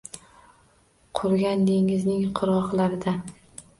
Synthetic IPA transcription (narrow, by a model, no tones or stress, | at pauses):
qʰʊɾɡʲand̪eŋɪznɪŋqʰʊɾʁɒqlˠaɾɪd̪a